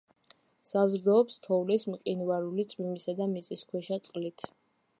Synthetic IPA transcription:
sazɾd̪ɔːpst̪ʰɔvlismqʼinvaɾulit̪sʼwimisad̪amit̪sʼiskʰwɛʃat̪sʼqʼlit̪ʰ

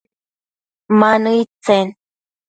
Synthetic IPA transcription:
manɨjt͡sen

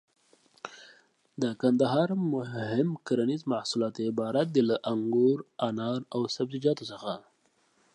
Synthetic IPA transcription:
d̪əkand̪aɦɑɾmʊhɪmkaɾanizmahsulɑt̪ɪbɑɾat̪̚d̪ilaʔaŋɡoɾanɑɾawsab̚d̪id͡ʒɑt̪osəxa

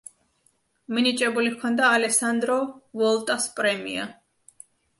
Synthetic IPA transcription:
minit͡ʃʼɛbulikʰɔnd̪aːlɛsand̪ɾɔvɔlˠt̪ʼaspʼɾɛmḭa̰

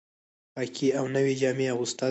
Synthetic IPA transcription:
pɑkʰiawnəwed͡ʒɑmeawʊst̪ɑ

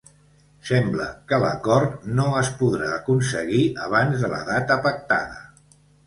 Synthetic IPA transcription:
sɛmbləkələ̰kɔɾt̪noəspuðɾaəkunsəɣiəβ̞anzðələ̰ðat̪əpək̚t̪a̰ðə

